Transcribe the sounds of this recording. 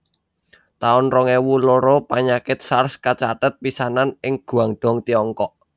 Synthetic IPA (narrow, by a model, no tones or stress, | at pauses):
t̪aʊnrɔŋewuloɾopaɲakɪt̪̚sarskat͡ʃat̪ət̪̚pisananɪŋɡ̥ṳaŋɖ̪̥ɔ̤ŋt̪iɔŋkɔʔ